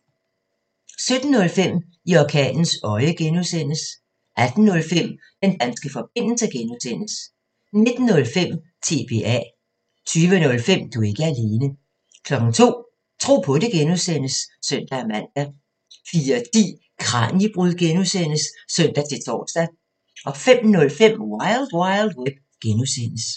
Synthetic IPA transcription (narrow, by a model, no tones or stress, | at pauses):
sød̥n̩ːɔ̽lfem̰ | iɒkʰɛ̰ːnn̩sɒ̽ɪəɡ̥enusen̰əs | ʔæd̥n̩ːɔ̽lfem̰ | d̥end̥ænsɡ̥əfɒ̽b̥e̝n̰l̩səɡ̥enuðˠsen̰əs | ne̝d̥n̩ːɔ̽lfem̰ | t͡sʰe̝b̥e̝̰ːæ̰ | t͡sʰyːʋənɔ̽lfem̰d̥ue̝ɡ̥əæle̝ːnə | kʰlɒ̽ɡ̥ŋ̩t͡sʰo̝̰ː | t͡sʰʁo̝̰ːpʰɒ̽d̥e̝ɡ̥enuðˠsen̰əsːœn̰d̥ææmæn̰d̥æ | fiːɐt͡sḭː | kʰʁɑ̈njib̥ʁuð̰ˠɡ̥enusen̰əsːœn̰d̥æt͡sʰe̝t͡sʰɒ̰ːsd̥æ | ʔɒ̽fem̰nɔ̽lfem̰wɑɪld̥wɑɪld̥web̥ | ɡ̥enusen̰əs